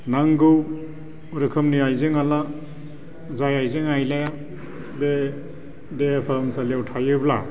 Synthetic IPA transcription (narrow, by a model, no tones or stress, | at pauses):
naŋɡɯw | ɾɯkʰɯmniajzeŋala | zajajzeŋajlaja | be | deapʰamsaljawtʰajɯbla̰